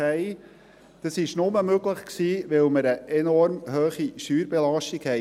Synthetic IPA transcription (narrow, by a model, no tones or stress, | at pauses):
hɛɪ | d̪̥əsɪʃnʊməmøɡləχksiːʋɛlməɾəʔɛnɔɾmhøːχiʃyːɾbɛlɑʃtiɡhɛɪ